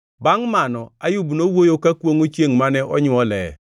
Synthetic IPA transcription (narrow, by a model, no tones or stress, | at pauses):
baŋmanɔajubnowojokakwoŋot͡ʃeŋmanɛʔɔɲʊɔlɛ̰